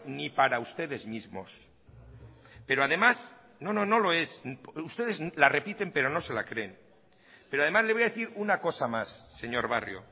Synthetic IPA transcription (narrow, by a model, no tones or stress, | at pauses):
nipaɾaust̪e̞ðe̞zmizmo̞̰s | pe̞ɾoaðemas | no̞no̞no̞lo̞e̞sust̪e̞ðe̞zlare̞pit̪e̞mpe̞ɾo̞no̞se̞la̰kɾe̞n | peɾoað̞e̞mazlezβjaðeθiɾunako̞samasːe̞ɲo̞ɾβa̰rjo̰